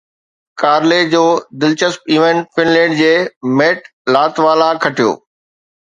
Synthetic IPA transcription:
kaːɾled͡ʑoːd̪ɪlt͡ɕəspiːʋẽɳʈfɪnlɛ̃ːɳɖd͡ʑeːmeːʈ | laːt̪ʋaːlãkʰɐʈʰijo̰ː

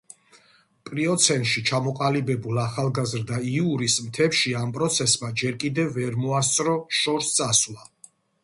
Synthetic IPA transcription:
pʼɾiɔt̪sʰɛnt̪ʃit͡ʃʰamɔqʼalibɛbulˠaχalˠɡazɾd̪aiuɾismt̪ʰɛpʃiampʼɾɔt̪sʰɛsmad͡ʒɛɾkʼid̪ɛvvːɛɾmɔast̪sʼɾɔʃɔɾst̪sʼaswlˠa

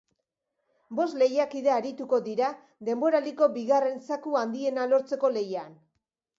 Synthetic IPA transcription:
bo̞sle̞jakiðeaːɾit̪uko̞ðiɾa | ðe̞mbo̞ɾaliko̞biɣare̞nsakuand̪ie̞nalo̞ɾt͡se̞ko̞le̞jan

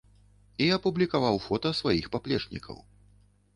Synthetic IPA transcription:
iɐpublʲikavawfɔt̪ɐsvajixpaplʲɛt͡ʂnʲḭkʰɐ̰w

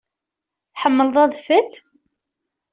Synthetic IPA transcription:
θħəmːəlðˤɑðˤfəθ

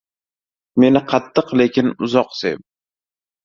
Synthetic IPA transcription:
me̞nɪqʰɑt̪ʰːɨqle̞kʲʰɪnʊzɒqsḛp̚

